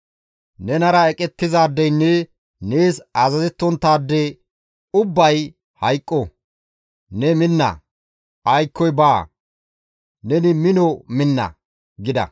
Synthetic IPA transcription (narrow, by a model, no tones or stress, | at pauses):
nɛnɐɾɐɛkʼɛt̪ːɪzaːd̪ːɛjnːɛ | neːsɐzɐzɛt̪ːɔnt̪ːaːd̪ːɛ | ʊbːɐj | hɐjkʼːɔ | nɛmɪnːɐ̰ | ʔɐjkːɔjbaː | nɛnɪmɪnɔmɪnːɐ̰ | ɡɪd̪ɐ̰